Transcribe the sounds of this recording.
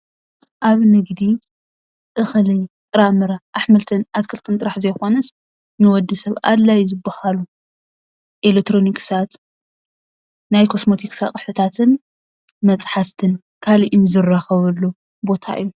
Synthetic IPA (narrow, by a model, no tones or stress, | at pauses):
ʔaβnɨɡd̪i | ʔɨxlit̪ʼɨɾamɨɾaʔːħmɐlt̪ʰɨnat̪kʰɨlt̪ʼɨnt̪ʼɨɾaħzɐjxo̞nɐs | nɨwɔd̪ːɨsɐβa̰d̪lajzɨbːahalu | ʔelek̚t̪ʰːɾo̞nikʼsat̪ | najkʰo̞smo̞t̪ʰiksakʼɨħɨt̪ʰat̪ʰɨn | mɐt͡sʼħaft̪ʰɨn | kʰaliʔinzɨrːaxɐβɐlːu | bo̞t̪ʰa̰ʔɨ̰jːu